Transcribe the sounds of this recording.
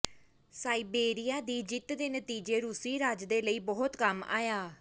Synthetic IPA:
saːiːbeːɾijaːd̪iːd͡ʒɪt̪d̪eːnət̪iːd͡ʒeːɾusiːɾaːd͡ʒd̪eːləiːbɔːʊt̪kəma̰ːjaː

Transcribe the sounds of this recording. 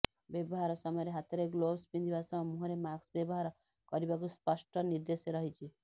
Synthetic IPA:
bebɔɦaɾɔsɔmɔjɔɾeɦat̪ɾeɡlobspind̪ibasɔ̃mũɦɔɾemaɡsbebɔɦaɾɔ | kɔɾibakuspɔsʈɔniɾd̪eseɾɔɦit͡ʃʰi

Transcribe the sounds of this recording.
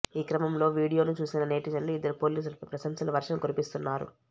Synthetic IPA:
iːkɾɐmɐmlo̞ːʋiːɽijo̞ːnut͡ʃuːsinɐne̞ːʈid͡ʒɐlːuid̪ːɐɾipo̞ːliːs̬ulɐpɾɐsɐmsɐlɐʋɐɾʂɐmkoɾipist̪unːaːɾṵ

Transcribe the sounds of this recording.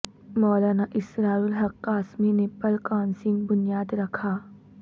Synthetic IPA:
mɔlanaʔisɾaulɦɐkːasminepɐlkansiŋbunijadɾɐkʰa

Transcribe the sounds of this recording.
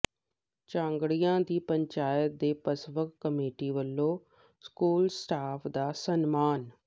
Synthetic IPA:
t͡ʃãːŋɡɽijãːd̪iːpəɲt͡ʃaːjət̪̚d̪eːpəsʋəkːəmeːʈiːʋəlːoː | skuːlsʈaːpʰd̪aːsənmaːn

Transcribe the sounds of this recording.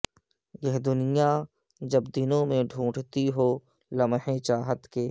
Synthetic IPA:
jɛɦd̪ʊnɪja | d͡ʒɐbd̪ɪnõmẽɖʱũːʈt̪iɦoː | lɐmɦẽt͡ʃaːɦət̪keː

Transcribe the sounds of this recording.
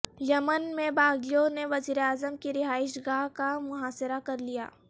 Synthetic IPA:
jɐmənmẽbaːɡijõneʋɐziːɾeaːzəmkiɾɪɦaːɪʃɡaːɦkamʊɦaːsɪɾakɐɾlija̰ː

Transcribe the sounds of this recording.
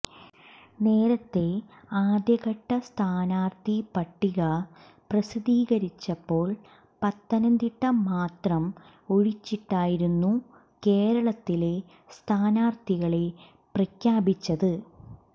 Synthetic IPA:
ne̞ːɾɐt̪ːe̞aːd̪jɐɣɐʈːɐst̪ʰaːnaːrt̪ipɐʈːiɣɐ | prɐsid̪iːɣɐɾit͡ɕːɐpːo̞ːɭ | pɐt̪ːɐnɐnd̪iʈːɐmaːt̪rɐm | oɻit͡ɕːiʈːaːjiɾunːu | ke̞ːɾɐɭɐt̪ːile̞ | st̪ʰaːnaːrt̪iɣɐɭe̞ | prɐkʰjaːbit͡ɕːɐðɨ

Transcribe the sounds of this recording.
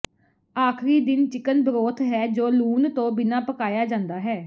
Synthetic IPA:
aːkʰɾiːd̪ɪnt͡ʃɪkənbəɾoːt̪ʰɦɛːd͡ʒoːluːnt̪õːbɪnãːpəkaːjaːd͡ʒãːnd̪aːɦɛː

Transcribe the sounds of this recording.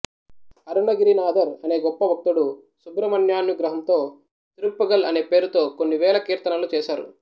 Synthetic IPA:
ɐɾuɳɐɡiɾinaːd̪ɐɾɐne̞ːɡɔpːɐʋɐk̚t̪uɽu | subɾɐmɐnjaːnːuɡɾɐɦɐmt̪o̞ː | t̪iɾulpɐɡɐlɐne̞ːpe̞ːɾut̪o̞ːkonːiʋɛːlɐkiːɾt̪ɐnɐlut͡ʃɛːʃaːɾṵ

